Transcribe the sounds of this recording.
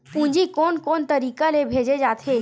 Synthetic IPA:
pũɲd͡ʑikonkont̪əɾikalebʱed͡ʑed͡ʑat̪ʰe

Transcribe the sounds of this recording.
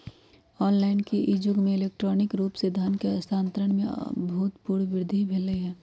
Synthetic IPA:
ɔːnlaːɪnkiʔɪd͡ʒʊɡmẽɪleːk̚ʈɾɔːnɪkɾuːpsed̪ʱankeɐst̪ʰaːnt̪ɾəɽ̃mḛ̃but̪puːɽʋɪɾd̪ʱibʱeləiɦɛː

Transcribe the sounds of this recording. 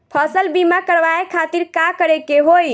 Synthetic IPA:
pʰəsəlbimakəɾʋaekʰat̪iɾkakəɾekeɦoj

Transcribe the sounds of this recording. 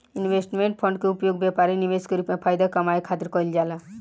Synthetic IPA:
inʋesʈmẽɳʈ̚pʰə̃ɳɖkeupjoɡ̚bepaɾiniʋeskeɾupmẽpʰaːjd̪akəmajkʰat̪iɾkɔjld͡ʒala

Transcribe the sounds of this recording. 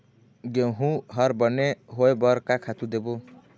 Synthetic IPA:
ɡeɦũɦʌɾbʌneɦoebʌɾkakʰat̪ud̪ebo

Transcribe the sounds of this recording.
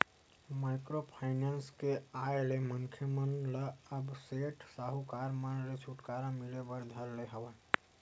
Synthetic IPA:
maɪkɾopʰaɪnanskeajleməŋkʰjəmənləəbseʈʰsaɦukaɾmanlet͡ʃʰuʈkaɾãmilebəɾd̪ʱəɾleɦəba

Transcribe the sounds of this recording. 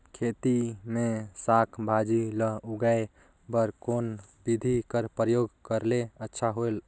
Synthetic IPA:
kʰet̪imesakʰbʱad͡ʒiləɦuɡae | bəɾkonbid̪ʱikəɾpɾəjoɡkəɾleətːʃʰaɦol

